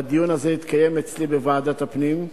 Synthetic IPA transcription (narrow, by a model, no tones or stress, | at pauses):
ad̪ijunazeit̪kaje̞met͡slibevaaːd̪at̪apnim